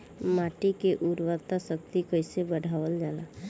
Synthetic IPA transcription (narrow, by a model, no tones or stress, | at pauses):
maːʈikeʔuɾwəɾt̪asək̚t̪ikəɪsebəɽʱaːʋəld͡ʒaːla